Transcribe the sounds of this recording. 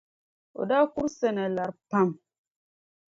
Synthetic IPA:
o̰˨da˦ku˦ɾsɛ˨nɛ˨la˨ɾpa˦m

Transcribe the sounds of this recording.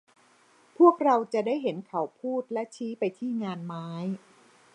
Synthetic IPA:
pʰu˥˩ək̚ɾa˧wt͡ɕa˨˩ʔdaː˥˩jɦe˩˦nkʰa˨˩˦wpʰuː˥˩t̪̚lɛ˦˥t͡ɕʰiː˦˥pa˧jt̪ʰiː˥˩ŋaː˧nmaː˦˥j

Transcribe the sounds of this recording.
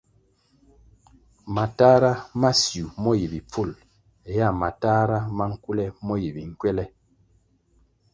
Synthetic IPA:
ma˨ta˦ɾa˦ma˦sju˨mɔ˦ji˨bi˨p͡fu˦˨l | ɛ˨ja˦˨ma˨ta˦ɾa˦ma˦ŋ̩˦ku˦lɛ˦mɔ˦ji˨bi˨ŋ̩˦kwɛ˦lɛ˦

